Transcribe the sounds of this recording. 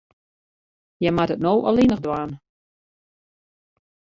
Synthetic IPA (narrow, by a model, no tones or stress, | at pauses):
jɛmatətnowʔɔ̰linəχdwaːn